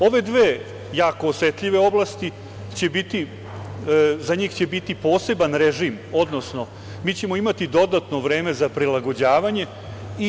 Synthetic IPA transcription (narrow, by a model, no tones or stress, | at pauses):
o̞ʋe̞d̪ʋeː | jaːko̞ːsʋet̪ʎiʋe̞o̞blˠast̪i | t͡ɕe̞bit̪i | zaɲiːxt͡ɕe̞bit̪ipo̞ːse̞banɾeʐiːmo̞d̪no̞sno̞ | miːt͡ɕemoimat̪id̪o̞d̪at̪noʋɾe̞ːme̞zapɾilaɡo̞d͡ʑaːʋaɲe̞ | i